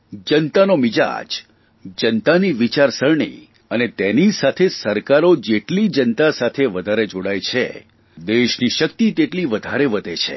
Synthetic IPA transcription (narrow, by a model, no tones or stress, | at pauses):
d͡ʒənt̪anomid͡ʒa̰d͡ʒ | d͡ʒənt̪aniʋit͡ʃaɾsəɾɳḭ | ənet̪enisat̪ʰesəɾkaɾod͡ʒeʈlid͡ʒənt̪asat̪ʰeʋəd̪ʱaɾed͡ʒoɽajt͡ʃʰḛ | d̪eʃniʃəkt̪it̪eʈliʋəd̪ʱaɾeʋəd̪ʱet͡ʃʰḛ